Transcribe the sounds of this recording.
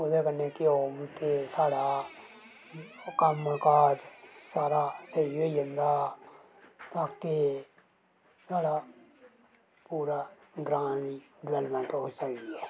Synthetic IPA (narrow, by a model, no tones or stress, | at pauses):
ʊd̪eːkənːeːkɪoːmkesaːɽaː | kəmkaːɾsaːɾaːsəioid͡ʒənd̪aː | t̪aːkeː | saːɽaː | puːɾaːɡɾãːnd̪iːɖɪʋɛlmɛ̃ːɳʈoːisəɡiɛː